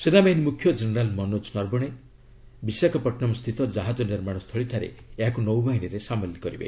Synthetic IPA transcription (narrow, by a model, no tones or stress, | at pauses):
senabaɦinimukʰːjɔd͡ʒeneɾalmɔnot͡ʃnɔɾbɔɽ̃e | bisakʰɔpɔʈʰnɔmst̪ʰit̪ɔd͡ʒaɦad͡ʒɔniɾmaɽ̃ɔst̪ʰɔɭit̪ʰaɾḛeɦakunɔwbaɦiniɾesamɔlikɔɾibḛ